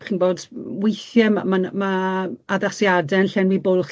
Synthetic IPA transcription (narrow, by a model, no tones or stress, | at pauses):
χinboːdwejθjɛmamanmaaðasjadɛnɬɛnwibʊlˠχ